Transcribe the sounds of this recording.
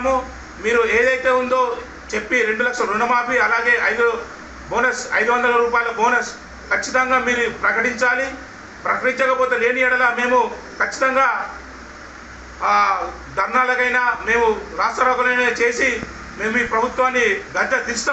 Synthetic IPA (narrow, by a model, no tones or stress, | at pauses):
mu | miːɾue̞ːd̪ɐjt̪e̞ːund̪o̞ː | t͡ʃe̞pːiɾeɳɖulɐkʂɐɾunɐmaːpiɐlaːɡe̞ːʔɐjd̪u | boːnɐsɐ̰jd̪uʋɐnd̪ɐlɐɾuːpaːjɐlɐboːnɐs | kɐt͡ʃːit̪ɐŋɡaːmiːɾupɾɐkɐʈiɲt͡ʃaːli | pɾɐkɐʈiɲt͡ʃɐkɐpoːt̪e̞ːle̞ːniɛɽɐlaːme̞ːmu | kɐt͡ʃːi̥t̪ɐŋɡaː | d̪ʱɐɾnaːlɐkɐjnaːme̞ːmuɾaːsʈɾɐɾɐːk̪ɐlɐjneːt͡ʃe̞ːsi | me̞ːmuiːpɾɐbʱut̪ʋaːnːiɡɐd͡ʒ̪ːɐd̪ist̪a